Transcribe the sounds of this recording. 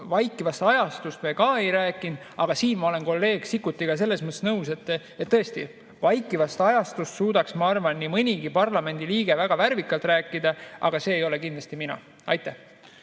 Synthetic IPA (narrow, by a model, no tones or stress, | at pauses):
vɑjkːˑivɑst̪ɑjɑst̪ust̪mekɑːe̞jɾæːkːˑin | ɑɡ̥ɑsiːnmɑo̞le̞nko̞lːe̞ːɡ̥sikːˑut̪ːiɡ̥ɑs̬e̞lːe̞smɤt̪ːˑe̥snɤuwse̞t̪ːˑ | et̪ːɤe̞st̪ḭ | vɑjkːˑivɑst̪ɑjɑst̪ust̪suːd̪̥ɑksmɑɑrvɑnːimɯnʲiɡipɑrlɑme̞nd̪̥iliːɡ̥e̞væɡ̥ɑværvikːˑɑlt̪ræːkˑːid̪ɑʔɑ̰ɡ̥ɑse̞ːjo̞le̞kind̪lɑst̪iminɑ̰ | ɑ̰jt̪ːˑæh